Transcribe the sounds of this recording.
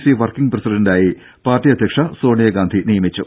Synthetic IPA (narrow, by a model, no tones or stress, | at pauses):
siʋɐrkiŋɡprɐsiɖɐndaːji | paːrʈːijɐd̪ʱjɐkʂɐso̞ːɳijɐɡaːnd̪ʱinijɐmit͡ɕːu